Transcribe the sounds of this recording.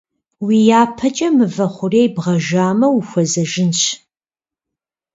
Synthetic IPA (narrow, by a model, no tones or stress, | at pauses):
wiːjaːpʰɐt͡ʃʼɐmɨvɐχʷʊreːjbʁɐʒaːmɐwuxʷɐzɐʒɪnɕ